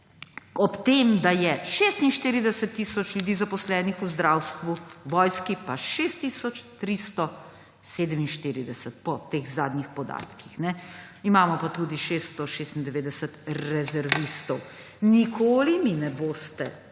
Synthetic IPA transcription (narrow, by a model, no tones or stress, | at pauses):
ɔpt̪emd̪ajɛʃeːst̪inʃt̪iɾid̪ɛsət̪ːiːsɔt͡ʃlʲjud̪iːzapɔslɛːnixuzd̪ɾawst̪ʋuʋɔjskipaʃeːst̪ːiːsɔt͡ʃt̪ɾist̪ɔ | seːd̪əminʃt̪iːɾid̪ɛsət̪̚pɔt̪eɣzaːd̪nixpɔd̪a̰ːt̪kixnɛ | imaːmɔpat̪uːd̪iʃeːst̪ɔʃeːst̪ind̪ɛʋeːd̪ɛsət̪ɾɛzɛɾʋist̪ɔw | nikʰoːliminɛboːst̪ɛ̰